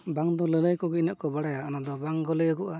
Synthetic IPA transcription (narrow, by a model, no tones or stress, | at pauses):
baŋd̪ɔlɛlajkɔɡɛnaʔkɔbaɽajaːnad̪ɔbaŋɡɔlɛjɔɡɔʔa